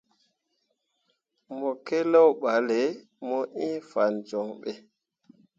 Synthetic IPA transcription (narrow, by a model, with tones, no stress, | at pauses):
mɔ˨ke˦lɔ˦wɓa˨le˨ | mɔ˦ʔĩ˦fa˨nd͡ʒɔ˨ŋɓe˦